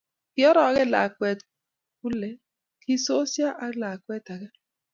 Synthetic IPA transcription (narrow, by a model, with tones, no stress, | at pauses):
kɪ˦ɔ˦ɾɔ˨a˦ɡɛ˦la̰˨kwɛ˨t | ku˦lɛ˨ | kɪ˦so˦sja˦ʔa˦la˨kwɛ˦ta˨ɡɛ˦